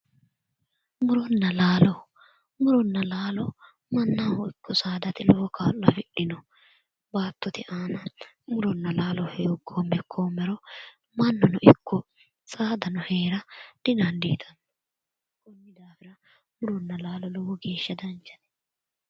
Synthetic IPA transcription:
mʊɾɔnːɐlaːlɔ | mʊɾɔnːɐlaːlɔ | mɐnːɐwɔɪkːɔsaːd̪ɐt̪ɪlɔɔkaːlːɐfɪɗːɪnɔ | baːt̪ːɔt̪ɪʔaːnɐ | mʊɾɔnːɐlaːlɔheːɔɡʰoːmːɛkʰːoːmɛɾɔ | mɐnːɔnɔʔɪkʰːɔ | sʼaːd̪ɐnɔheːɾɐd̪̥ɪnaːnd̪iːt̪ʰɐnːɔ | kɔnːɪd̪aːfɪɾɐ | mʊɾɔnːɐlaːlɔlɔwɔɡe̞ːʃːɐd̪ɐnt͡ʃːɐ̥t̪ɛ̥

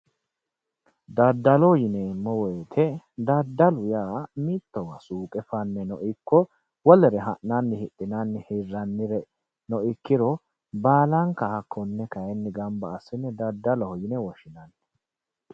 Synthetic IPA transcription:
d̪ɐd̪ːɐlɔjɪnɛmːɔwɛːt̪ʰɛd̪ɐd̪ːɐlʊjaːmit̪ːɔwɐ̰suːkʼɛfɐnːɛnɔʔɪkːɔ | wɔlɛɾɛɦɐʔnɐnːɪhɪʔʼːɪnɐnːɪhɪrːɐnːɪɾɛ | nɔʔɪkːɪɾɔ | baːlɐŋkɐhɐkʰːɔnːɛkɐjɛnːɪɡɐmbɐːsːɪnːɛd̪ɐd̪ːɐlɔhɔjɪnɛwɔʃɪnɐnːɛ̥

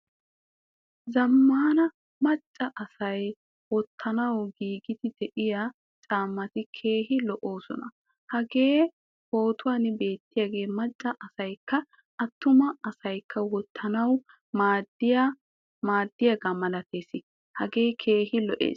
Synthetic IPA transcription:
zɐmːaːnɐ | mɐt͡ʃʼːɐʔɐsɐj | wɔt̪ʰːɐnɐwɡiːɡɪt̪ɪd̪ɛʔɪja | t͡ʃʼaːmːɐt̪ɪkʰe̞ːɦɪlɔʔoːsɔ̰nɐ̰ | hɐɡe̞ː | ho̞ːt̪ʊwaːnɪbe̞ːt̪ːɪjaːɡe̞ːmɐt͡ʃʼːɐʔɐsɐjkːɐ | ɐt̪ːʊmɐɐsɐjkʰːɐwɔt̪ʰːɐnɐw | maːd̪ɪja | maːd̪ːɪjaɡɐmɐlɐt̪e̞ːsɪ | hɐɡe̞ːkʰe̞ːɦɪlɔʔḛːs

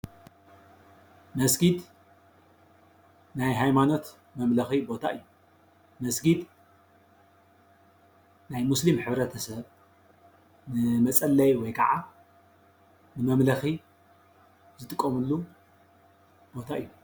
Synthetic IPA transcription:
mɐsɡid̪ | najɦajmano̞t̪ | mɐmlɐxibo̞t̪ʰaʔɨjːu | mɐsɡid̪ | najmuslimħɨβɾɐt̪ʰɐsɐβ | nɨmɐt͡sʼɐlːɐjwɔjkʰɐʕa | nɨmɐmlɐxi | zɨt̪ʼɨkʼːɐmɨlːu | b̥o̞t̪ʰaʔɨjːu

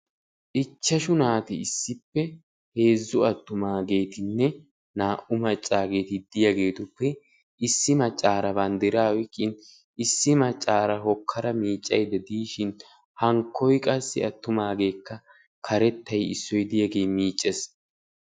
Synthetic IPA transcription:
ʔɪt͡ʃːɐʃʊnaːt̪ɪɪsːɪpːɛ | he̞ːzːʊɐt̪ːʊmaːɡe̞ːt̪ɪnːɛ | naːʔʊmɐt͡ʃʼːaːɡe̞ːt̪ɪd̪ɪjaɡe̞ːt̪ʊpːɛ | ɪsːɪmɐt͡ʃʼːaːɾɐbɐnd̪ɪɾaːwɛkʼːɪn | ɪsːɪmɐt͡ʃʼːaːɾɐɦɔkʰːɐɾɐmiːt͡ʃʼːɐ̰jd̪ɛd̪iːʃɪn | hɐŋkʰːɔjkʼɐsːɪ̰ɐt̪ːʊmaːɡe̞ːkːɐ | kʰɐɾɛt̪ːɐjɪ̰sːɔjd̪ɪjɐɡe̞ːmiːt͡ʃʼːɛs

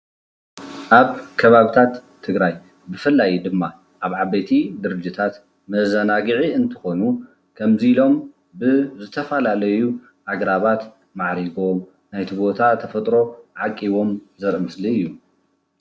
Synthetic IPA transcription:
ʔaβkʰɐβaβit̪ʰat̪ʰːɨɡɾaj | bɨfɨlːajd̪ɨmːa | ʔaβʕaβɐt̪ʰid̪ɨɾɨd͡ʒit̪ʰat̪ | mɐzɐnaɡɨʕiɨnt̪ʰɨ̥xo̞nu | kʰɐmzilo̞m | bɨzɨt̪ʰɐfɐlalɐju | ʔaɡɾaβat̪ | maʕɾiɡo̞m | najt̪ʰibo̞t̪ʰat̪ʰɐfɐt̪ʼɾo̞ʕakʼːiβo̞mzɐɾʔɐmɨsliɨjːu

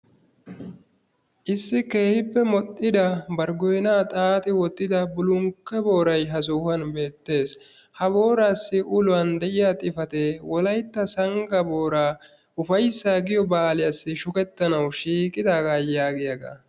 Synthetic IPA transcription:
ʔɪsːɪke̞ːhɪpːɛmɔt̪ʼːɪd̪ɐbɐɾɡɔjnaːt̪ʼaːt̪ʼɪwɔt̪ːɪd̪ɐbʊlʊŋkːɛbo̞ːɾɐjɦɐs̬uhɐnbe̞ːt̪ːe̞ːs | hɐbo̞ːɾaːsːɪʔʊlʊwɐnd̪ɛʔɪjat̪ʼɪfɐt̪ewɔlɐjt̪ːɐsɐŋɡɐbo̞ːɾaː | ʔʊfɐjsːaːɡɪjɔbaːlɪjasːɪʃʊkɛt̪ːɐnɐwʃiːkʼːɪd̪aːɡajaːɡɪjɐɡɐ̰

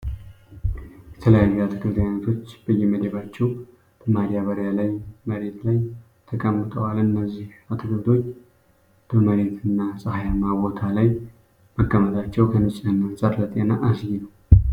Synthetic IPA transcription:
jɛt̪ʰələjajːuat̪ʰɨkɨɾt̪ʰwanət̪ʰo̞t͡ʃːbəjːɛməd̪eβat͡ʃːɛw | t̪ʰəmaɾijaβəɾjalajməɾe̞t̪laj | t̪ʰəkʼəmːɨt̪ʼəwalɨnːəzːihat̪ʰɨkɨɾt̪ʰo̞t͡ʃː | d̪̥uməɾe̞t̪ʰɨnːasʼəhajamaβo̞t̪ʰalaj | məkʼːəmət̪ʰʼat͡ʃːɛwkʰənɨt͡ʃʼənːənsʼəɾlət̪ʼenaʔasɡinəw

